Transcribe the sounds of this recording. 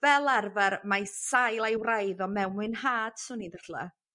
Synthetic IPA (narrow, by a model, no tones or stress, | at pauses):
vɛlˠarvaɾmajsajlˠajwrajðɔmɛwmwɨnhaːd̥sunidaɬla̰